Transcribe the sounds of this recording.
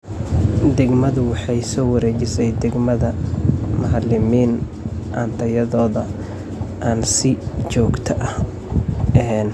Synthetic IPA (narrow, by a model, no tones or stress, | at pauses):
d̪ɛɡmɐðʊwɑħɑjsɔːwɐɾɛːt͡ʃɪsɛjd̪ɛɡmɐðɐmɐɦlɪmiːn | ʔɐnt̪ʰɐjɐðɔːðɐ | ʔaːnsɪt͡ʃɔːɡt̪ʰɐʔɐh | ɛn